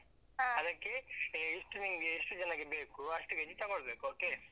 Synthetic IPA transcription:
aɐd̪ɐkːeiʂʈuniŋɡeːʂʈud͡ʒɐnaːɡibeːkuɐʂʈuɡed͡ʒit̪ɐɡoɭbeːkuoːke

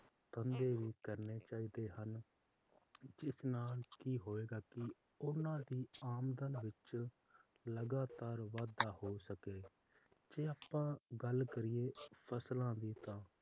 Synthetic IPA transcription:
t̪ənd̪eːʋiːkəɾneːt͡ʃaːiːd̪eːɦən | d͡ʒɪsnaːlkiːɦoːeːɡaːkɪ | ʊnãːd̪iːaːmd̪ənʋɪt͡ʃ | ləɡaːt̪aːɾʋaːd̪aːhoːsəkeː | d͡ʒeːaːpːãːɡəlkəɾɪːeːpʰəslãːd̪iːt̪ãː

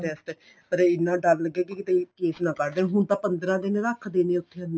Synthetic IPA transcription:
d̪eːst̪e | pəɾɪnːãːɖalləɡːeːkikɪt̪ẽːkeːsnãːkəɾd̪ẽːɦʊɳt̪ãːpənd̪ɾãːd̪ɪnɾəkʰd̪ẽːneːʊt̪ʰːeən

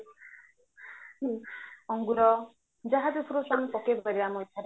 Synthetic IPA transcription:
ɔŋɡuɾɔ | d͡ʒaɦad̪epʰɾosaŋpɔkebʱɔɾiamɔjt̪ʰaɾe

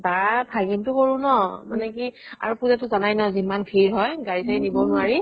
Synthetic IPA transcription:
bapʰajɡintʊkoɹũnɔmanɛkia̰ɹupuzatʊzanajnɔzimanpʰiɹɦɔjɡaɹisajnibɔnʊaɹi

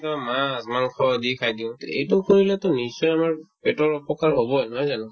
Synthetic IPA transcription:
tɔmasmankʰɔdikʰajdiʊ̃ḛjtʊkoɹilɛtɔnisːɔjamaɹpɛtɔɹɔpɔkaɹɦobɔjnɔjzanʊ̃

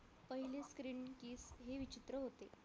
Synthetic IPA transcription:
pəɦileskɾiːɳkiːsɦeʋit͡ɕit̪ɾəɦot̪e

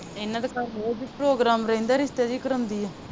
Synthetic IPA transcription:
enːãːd̪əkaːɾnoːd͡ʒipɾoːɡɾaːmɾəɦĩnd̪aːɾɪst̪eːd͡ʒiːkəɾə̃nd̪iːɛː

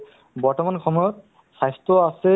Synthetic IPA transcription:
bɔɹtɔmankʰɔmɔjɔt̪̚ | sajst̪ɾɔase

